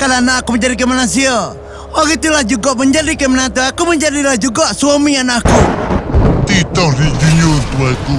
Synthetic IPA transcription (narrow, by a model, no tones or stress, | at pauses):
kalanaːkuməɲd͡ʒadik̬emanasia | ɔɡit̪ulahd͡ʒuɡaʔməɲd͡ʒadikemanat̪uakuməɲd͡ʒadilahd͡ʒuɡaswamianaku | t̪it̪ɔhdid͡ʒuɲurt̪uaku